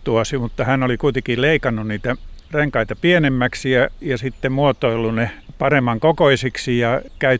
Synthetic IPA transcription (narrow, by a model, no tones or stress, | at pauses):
t̪uɑsimut̪ːɑhænolikuit̪ekilleikɑnːunniːt̪æreŋkɑit̪ɑpienemːæksijɑjɑsit̪ːemmuot̪oilːunepɑremːɑŋkokoisiksijɑkæy